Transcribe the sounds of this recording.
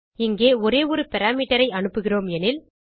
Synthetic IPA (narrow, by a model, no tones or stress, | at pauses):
ɪŋɡeːɔɾeːʋɔɾɯpɛɾaːmiːʈːɐɾɐɪɐɳɯpːɯɣɪroːmɛnɪl